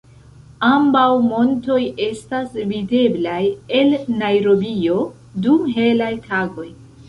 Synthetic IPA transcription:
ambawmo̞nto̞je̞stasvide̞blaje̞lnajɾo̞bio̞ | duɦe̞lajtʰaɡo̞j

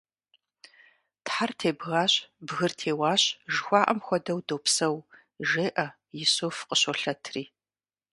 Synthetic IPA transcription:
tħartʰeːbɣaːɕbɣɨrtʰeːwaːɕʒxʷɑːʔɐmxʷɔdɐwdoːpsɐw | ʒeːʔɐ | jɪsoːfqəɕoɬɐtʰriː

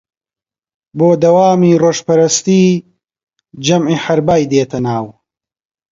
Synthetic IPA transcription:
boːd̪ɐwaːmiːroːʃpɐɾɐst̪iː | d͡ʒɐmʕiːħɐɾbaːjd̪eːt̪ʰɐnaːw

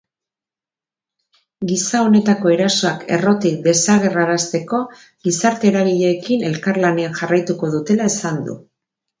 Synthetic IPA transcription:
ɡisao̞ne̞t̪ako̞e̞ɾaso̞ake̞̰ro̞t̪ik̚d̪e̞saɣ̞e̞raɾast̪e̞ko̞ | ɣisaɾt̪e̞ɾaɣiʎeːkine̞lkarlane̞anʝarajt̪uko̞ð̞ut̪e̞laesand̪ṵ

